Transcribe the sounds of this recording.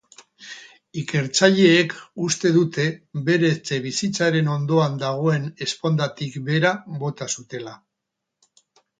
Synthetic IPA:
ike̞ɾt͡saʎe̞ːkust̪e̞ðut̪e̞βe̞ɾe̞t͡se̞β̞isit͡saɾe̞no̞nd̪o̞and̪aɣ̞o̞e̞ne̞spo̞nd̪at̪ikbe̞ɾaβo̞t̪asut̪e̞la

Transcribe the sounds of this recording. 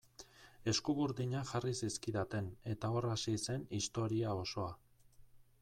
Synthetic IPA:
e̞skuɣuɾðiɲaʝarisiskiðat̪e̞ne̞t̪ao̞rasise̞nist̪o̞ɾiao̞so̞a

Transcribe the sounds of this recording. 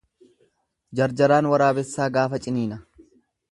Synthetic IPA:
d͡ʒɐɾd͡ʒɐɾaːnwɐɾaːbɛsːaːɡaːfɐt͡ʃʼɪniːnɐ

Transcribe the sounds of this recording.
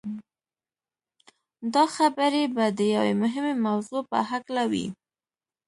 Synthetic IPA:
d̪ɑxabəɾebad̪əjawemʊɦɪmemawzopə̰ɦaklawḭ

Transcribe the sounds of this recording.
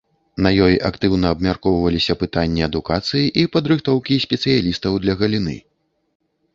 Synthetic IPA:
nɐjɔjʔakt̪ɨwnɐːbmʲarkɔwvɐlʲisʲɐpɨt̪anʲːiɐd̪ukat̪sɨjiʔipɐd̪ɾɨxt̪ɔwkʲisʲpʲɛt̪sɨjalʲist̪ɐwd̪lʲɐɣɐlʲinɨ̰

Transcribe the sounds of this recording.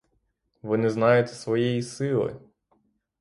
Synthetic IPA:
ʋɔnɪznɑjʊt̪ʲsʋɔjɛjisɪlˠɔ̰j

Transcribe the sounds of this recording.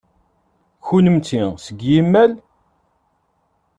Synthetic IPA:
çunəmt͡sisəɡjimːæl

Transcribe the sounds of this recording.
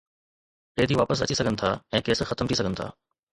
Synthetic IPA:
ɾeːd̪iːʋaːpəsɐ̰t͡ɕisɐɡʱənɪ̆t̪ʰa̰ːɛ̃ːkeːsxɐt̪əmt̪ʰisɐɡʱənɪ̆t̪ʰa̰ː

